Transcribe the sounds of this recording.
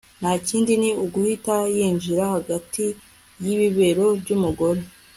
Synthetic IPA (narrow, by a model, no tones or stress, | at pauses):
n̥haciːndiniuɡuhitajiːɲʒiɾahaɡati | jiβiβe̞ɾo̞bɟumuɡo̞ɾe̞